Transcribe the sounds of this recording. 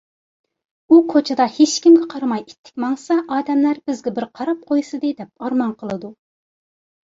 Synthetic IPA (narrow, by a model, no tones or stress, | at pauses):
ukʰot͡ʃʰɪd̪ɑhet͡ʃkʲimɡʲɛqʰɑɾɑmɑjit̪ʰːɪ̥kʲmɑŋsɑʔɑːd̪ɛmlæɾbɪzɡʲɛbɪɾqʰɑɾɑp̚qʰojsɨd̪ɨd̪ɛp̚ɑɾmɑnqʰəlˠɨd̪u